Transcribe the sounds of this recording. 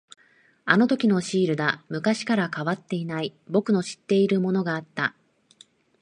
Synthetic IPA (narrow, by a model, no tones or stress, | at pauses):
ano̞t̪o̞kʲino̞ɕiːɾɯ̟d̪amɯ̟kaɕi̥kaɾakaβat̪ːe̞inaibo̞kɯ̟no̞ɕi̥t̪ːe̞iɾɯ̟mo̞no̞ɡaːt̪ːa